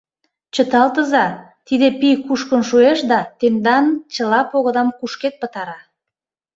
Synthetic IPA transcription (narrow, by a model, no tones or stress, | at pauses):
t͡ɕə̆t̪ɑlt̪əzɑ | t̪id̪epijkuʃkə̆nʃueʃd̪ɑt̪emd̪ɑnt͡ɕə̆lɑpoɣəd̪ɑmkuʃket̪̚pət̪ɑɾɑ